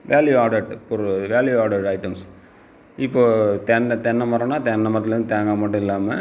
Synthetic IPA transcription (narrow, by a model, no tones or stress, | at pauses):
ʋeːljuaːɖɐʈpɔɾʋeːljuaːɽɐʈɐɪʈɐms | ɪpːoːt̪ɛnːɐt̪ɛnːɐmɐɾɐ̃ːnːaːt̪ɛnːɐmɐɾɐt̪ɪlɐɾɯnd̪ɯt̪eːŋɡamɐʈːʊ̃ɪlːaːmɐ